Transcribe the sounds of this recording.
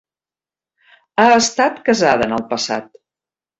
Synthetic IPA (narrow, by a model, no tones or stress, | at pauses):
aəst̪at̪kəzað̞ənəlˠpəsa̰t̪̚